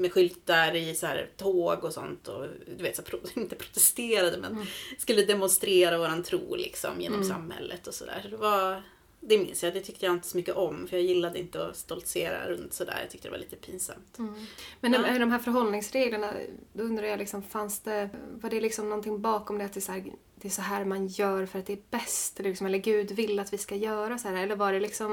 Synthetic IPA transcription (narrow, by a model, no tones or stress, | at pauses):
mɛɧʏlt̪aɾɪsɔhæ̰ːɾt̪ʰoːɡɔsɔ̰nt̪ʰɔ̰d̪ʉveːt̪sapʰɾɪnt̪əpʰɾʊ̥t̪ɛst̪eːɾad̪əmɛnskɵlːəd̪ɛmɔnst̪ɾeːɾavoːɾant̪ʰɾṵːlɪ̰ksɔ̰mjḛːnɔmssa̰mhɛ̰lːə̰t̪ɔsɔd̪æ̰ːɾʂɔd̪ɛva | d̪ɛmɪnsjad̪ɛt̪ʰʏk̚t̪əjaɪnt̪əsɔmʏkːəʔɔmfœɾjɑjɪlːad̪əɪnt̪əɔst̪ɔlt̪seːɾa̰ɾɵnt̪sɔd̪æ̰ːja̰t̪ʰʏk̚t̪əd̪ɛ̰va̰lʔiːt̪ə̥pʰiːnsa̰mt̪mɛnd̪ɔmɦæːɾfœɾɦɔlnɪŋsɾeːɡləɳa̰d̪ɔɵnd̪ɾaɾjalɪksɔmfansd̪̥ɛvaɖɛlɪksɔmnɔnt̪ɪŋbɑːkɔmd̪ɛat̪d̪ɛshæːɾ | d̪ɛːsɔɦæːɾmanjœːɾfœɾat̪̚d̪ɛːbɛst̪lːɪksɔmɛlːəɾɡʉ̟ːd̪vɪlːat̪vɪskajœːɾasɔhæːɾɛlːəɾvaɖɛlɪksɔm